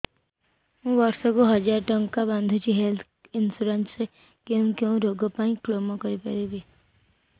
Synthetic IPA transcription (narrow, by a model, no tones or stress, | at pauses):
ɦũbɔɾsɔkoɦʌd͡ʒaɾʈɔŋkabãnd̪ʱũt͡ʃʰiɦelt̪ʰ | insuɾensse | keũkjeũɾoɡɔpaĩklomɔkɔɾipaɾebi